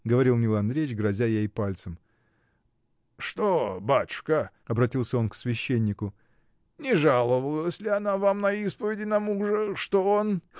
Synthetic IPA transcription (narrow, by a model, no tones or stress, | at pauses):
ɡəvɐɾʲilˠnʲɪlˠɐnd̪ɾʲet͡ɕɡɾɐzʲajeipalʲt̪səm | ʂt̪obat̪ʊ̥ʂkə | ɐbɾɐtʲilˠsʲəo̞nksvʲɪɕːenʲːɪkʊ | nʲɪʐalˠəvəlˠəsʲlʲɪɐnavamnɐispəvʲɪdʲɪnɐmuʐəʂt̪oon